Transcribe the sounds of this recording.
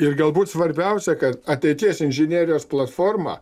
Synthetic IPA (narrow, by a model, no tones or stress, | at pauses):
ɪrɡɐlˠbuːt̪sʋɐɾʲbʲɛʊsʲɛkɐt̪ɐt̪ʲɛɪt̪ʲiɛsɪnʲʒʲɪnʲiːɾʲɪjoːsplˠɐt̪foːrmɑ̰ː